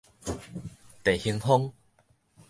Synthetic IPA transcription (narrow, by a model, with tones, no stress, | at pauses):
t̪e˨˩hi˧ŋɦo˦ŋ